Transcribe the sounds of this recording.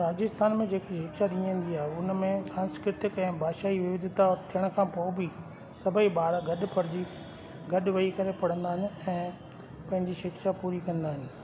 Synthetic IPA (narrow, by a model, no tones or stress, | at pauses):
ɾaːd͡ʑɪst̪aːnmẽd͡ʑeːkiʃɪkʃaɗĩə̃nd̪iaːɦeʊnmẽsãːnskɾɪt̪ɪkɛ̃ːbʱaːʃaːiʋɪʋɪd̪ʱɪt̪at̪ʰijəɽ̃̆kʰãːpoːbi | sɐbʱiɓaːɾaɡɐɗ̆pɐɾd͡ʑi | ɡɐɗʋɐikɐɾepɐɽə̃nd̪aːɦɪnɛ̃ː | pɐ̃ɦɪ̃ɲd͡ʑiʃɪkʃapuːɾikɐ̃nd̪aːɦɪnɪ̆